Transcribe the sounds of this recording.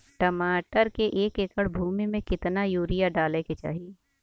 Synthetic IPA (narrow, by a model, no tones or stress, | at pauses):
ʈɐmaːʈəɾkeʔeːkeːkəɽbʱuːmimẽkɪt̪najuːɾijaɖaːleket͡ʃa̰ːɦije